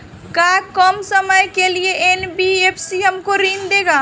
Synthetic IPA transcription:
kakɔmsəməjkelieʔenbiepʰsiɦəmkoɾiːnd̪eːɡaː

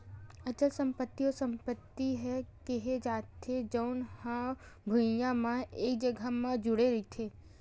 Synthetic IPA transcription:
ət͡ʃəlsəmpət̪ːiosəmpət̪ːiɦɛkeɦed͡ʒat̪ʰed͡ʒəwnhã | bʱujamãekd͡ʒəɡʱamãd͡ʒuɽeɾit̪ʰe

